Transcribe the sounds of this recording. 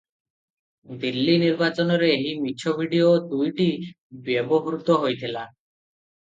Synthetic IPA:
d̪ilːiniɾbat͡ʃɔnɔɾeːɦimit͡ʃʰobʱiɖiod̪ujʈi | bjebɔɦɾut̪ɔɦojt̪ʰila

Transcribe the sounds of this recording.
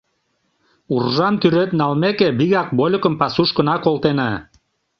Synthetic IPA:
urʒɑmt̪yɾøt̪nɑlmekebiɣɑk̚bolʲokə̆mpɑsuʃkə̆nɑkolˠt̪enɑ

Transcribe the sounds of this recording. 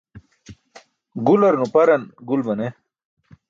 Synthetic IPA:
ɡulɐɾnupɐɾɐnɡulmɐne

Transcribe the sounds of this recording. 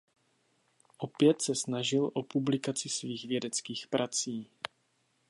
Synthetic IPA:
ʔo̞pjɛt̪sɛsnaʒɪlʔopublɪkat͡sɪsviːɣvjɛdɛt͡skiːxpɾʔat͡siː

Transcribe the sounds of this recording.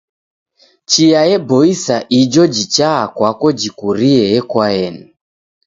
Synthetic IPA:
t͡ʃiajɛbɔisaʔid͡ʒɔd͡ʒit͡ʃaːkwakɔd͡ʒikuɾiɛɛkwaɛni

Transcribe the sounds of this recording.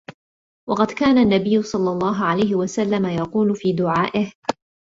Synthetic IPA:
wɑqɑd̪kaːnaʔnːabɪjːʊsˤɑlːɑlˤːɑːɦʊʕalajɦɪwasalːamajɑquːlʊfiːd̪ʊʕaːʔɪh

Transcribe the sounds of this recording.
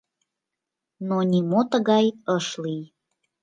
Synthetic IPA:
nonʲimot̪əɣɑjəʃlij

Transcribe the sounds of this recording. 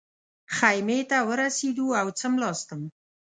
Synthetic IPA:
xajmet̪awəɾased̪uawt͡səmlɑst̪əm

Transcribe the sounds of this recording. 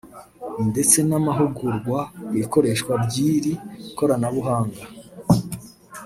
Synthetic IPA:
nde̞t͡se̞namaɦuɡuɾɡwaiiko̞ɾe̞ʃkwabɟiːɾiko̞ɾanaβuɦaːŋɡa

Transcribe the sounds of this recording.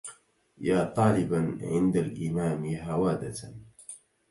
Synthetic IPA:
jaːt̪ˤɑːlɪbaʕɪ̰nd̪alʔɪmaːmɦawaːd̪a

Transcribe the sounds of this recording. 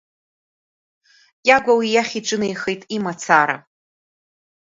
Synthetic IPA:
jʲʼaɡʷawijaχʲiʈ͡ʂʼɨnejχejtʼimat͡sʰaɾa̰

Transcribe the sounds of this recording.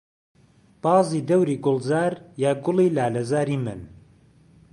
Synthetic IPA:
b̥ɑːziːd̪ɐwɾiːɡʊlˠzaːɾjaːɡʊlˠiːlaːlɐzaːɾiːmɨn

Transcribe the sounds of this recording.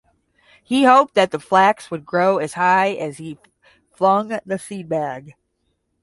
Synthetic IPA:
hihoʊp̚ðɨt̪̚ðəflækswəd̚ɡɹoʊɨz̥haɪɨz̥i | flʌ̃ŋðɨsit̚bæɡ̥

